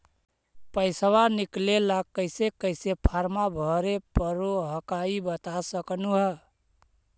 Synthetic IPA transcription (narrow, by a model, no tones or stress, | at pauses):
pəɪswaniklelakːəɪsekəɪsepʰaɾmabʱəɾepəɾoɦəkaibət̪asəknuɦə